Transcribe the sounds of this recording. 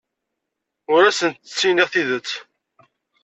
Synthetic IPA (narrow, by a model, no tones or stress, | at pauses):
ʊɾæsənt̪ə̥t͡sːiniʁθiðət͡sː